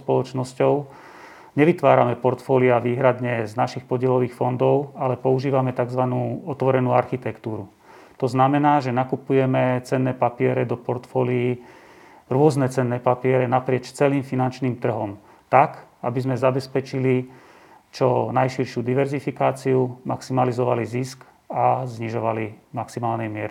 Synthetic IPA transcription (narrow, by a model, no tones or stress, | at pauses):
spɔlɔt͡ʃnɔscɔʊ | ɲɛʋit̪ʋaːɾamɛpɔɾt̪fɔːliaʋiːɦɾad̪ɲɛznaʃixpɔɟɪɛlɔʋiːxfɔnd̪ɔʊalɛpɔuʒiːʋamɛt̪aɡzʋanuːɔt̪ʋɔɾɛnuːaɾxit̪ɛkt̪uːɾu | t̪ɔznamɛnaːʒɛnakupujɛmɛt͡sɛnːɛːpapɪɛɾɛd̪ɔpɔɾt̪fɔːlii | ɾʊɔznɛt͡sɛnːɛːpapɪɛɾɛnapɾɪɛt͡ʃt͡sɛliːmfinant͡ʃniːmt̪r̩ɦɔm | t̪akabizmɛzabɛspɛt͡ʃili | t͡ʃɔnajʃiɾʃɪud̪iʋɛɾzifikaːt͡siumaksimalizɔʋalizisk | azɲiʒɔʋalimaksimaːlnɛjmɪɛɾi